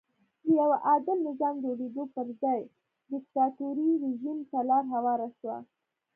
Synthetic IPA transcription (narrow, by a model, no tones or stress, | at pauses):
d̪əjawaʔɑd̪əmnɪzɑmd͡ʒoɽed̪opəɾzɑj | d̪ɪkt̪ɑt̪uɾiɾeʒimtalɑɾɦawɑɾaʃwa̰